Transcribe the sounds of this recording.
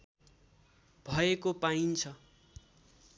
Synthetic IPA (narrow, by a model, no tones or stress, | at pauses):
bʱʌekopaint͡sʰʌ